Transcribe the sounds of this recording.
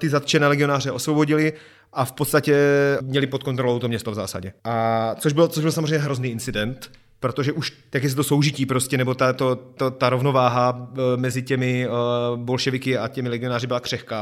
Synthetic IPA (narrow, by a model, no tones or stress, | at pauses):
t̪ɪzat̪t͡ʃɛnɛːlɛɡɪo̞naːrɛʔo̞svo̞bo̞ɟɪlɪ | ʔafpot̪st̪acɛmɲɛlɪpot̪̚ko̞nt̪ɾolowt̪omɲɛst̪ovza̰ːsa̰ɟɛʔat͡soʒbɪlot͡soʒbɪlsamozreɛjɲːɛɦɾo̞zniːɪnt͡sɪdɛnt̪ | pɾo̞t̪oʒɛʔuʃ | jak̬jɛs̬ɛt̪oso̞wʒɪciːpɾoscɛnɛbo̞t̪at̪ot̪ot̪aɾovno̞vaːɦamɛzɪcɛmɪ | bo̞lʃɛvɪkɪacɛmɪlɛɡɪo̞naːrɪbɪlakr̥ɛxka